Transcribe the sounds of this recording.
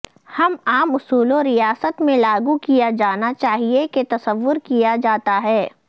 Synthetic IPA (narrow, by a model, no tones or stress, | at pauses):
hɐmaːmʊsuːloɾijaːsət̪mẽlaːɡukijad͡ʒaːnat͡ʃaːɦieket̪ɐsəʋːʊɾkijad͡ʒaːt̪aɦɛː